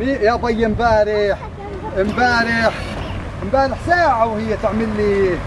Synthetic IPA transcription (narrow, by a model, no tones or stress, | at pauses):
bijab̪ˤɑjːɪmbaːɾɪħ | ɪmbaːɾɪħ | mbaːɾɪħsaːʕawhɪjːat̪ɪʕmɪlːi